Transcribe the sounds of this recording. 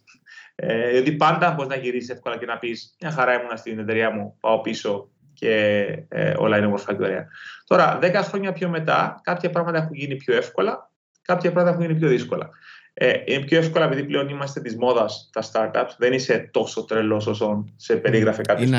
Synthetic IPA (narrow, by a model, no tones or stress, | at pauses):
eðiot̪ipɐnd̪ɐɐboɾiznɐʝiɾisise̞fko̞lɐce̞nɐpismɲɐxɐɾɐemunɐst̪inet̪eɾiɐmupɐo̞piso̞ | ce̞ḛo̰lɐinemoɾfɐt̪eɾiɐ̰t̪o̞ɾɐðekɐxɾo̞ɲɐpço̞me̞t̪ɐ̰kɐpçɐpɾɐɣmɐt̪ɐexuɲʝinipço̞e̞fko̞lɐ | kɐpçɐpɾɐɣmɐt̪ɐeuɲʝinipço̞ðisko̞lɐ̰einepço̞e̞fko̞lɐepiðiple̞o̞nimɐst̪et̪izmo̞ðɐst̪ɐst̪ɐɾt̪ɐpsðenise̞t̪o̞sot̪ɾelo̞s̬osonse̞pe̞ɾiɣɾɐfekɐpços